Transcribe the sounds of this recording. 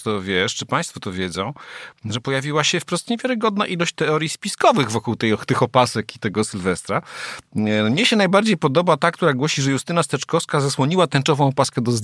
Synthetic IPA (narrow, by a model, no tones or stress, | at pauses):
t̪ɔvʲjɛʂt͡ʂɘpãjst̪fɔt̪ɔvʲjɛdzɔ̃w̃ʐɛpɔjavʲiwaɕɛfpɾɔst̪ɲevʲjaɾɘɡɔd̪naʔilɔɕt͡ɕt̪ɛɔɾjispʲiskɔvɘɣvɔkuwt̪ɛjɔt̪ɘxɔpasɛkit̪ɛɡɔsɘlvɛst̪ɾa | mɲɛɕɛnajbaɾd͡ʑejpɔd̪ɔbat̪akt̪uɾaɡwɔɕiʐɛjust̪ɘnast̪ɛt͡ʂkɔfskazaswɔɲiwat̪ɛnt͡ʂɔvɔ̃w̃ɔpaskɛd̪ɔz